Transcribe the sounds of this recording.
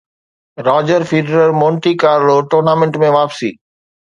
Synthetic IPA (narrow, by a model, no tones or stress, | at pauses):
ɾɔːd͡ʑəɾfʰiːɖəɾəɾmõːɳʈikaːɾloʈoːɾnaːmẽɳʈmẽʋaːpsḭː